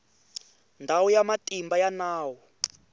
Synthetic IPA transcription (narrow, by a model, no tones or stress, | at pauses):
ndʱawujamatimbajanaːwɔ